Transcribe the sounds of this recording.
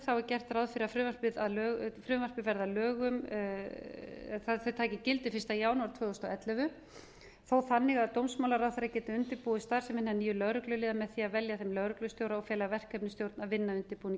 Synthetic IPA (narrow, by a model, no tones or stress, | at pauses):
θawɛɾcɛr̥t̪rawðfɪɾɪafɾʏːvḁpɪðaðlœːɣfɾʏːvar̥pɪvɛɾðalœːɣʏm | aθœɥt̪ʰaːcɪcɪlt̪ɪfɪ̥st̪ajaːwnuwaɾt̪ʰvœːðɔst̪ɔɛt̪lɛvʏ | θowθanːɪɣaðt̪owmsmawlaɾawðfɪɾacɛːt̪ɪʏnt̪ɪpuːist̪aɾ̥sɛmvɪnːɪniːjʏlœɣɾʏklʏliːðamɛðθiaðvɛljaθɛmlœɣɾʏklʏst̪jowɾaɔɣfjɛːlavɛr̥kʰːɛpnɪst̪jowɾt̪navɪnːaʏnt̪ɪɾpuːɪn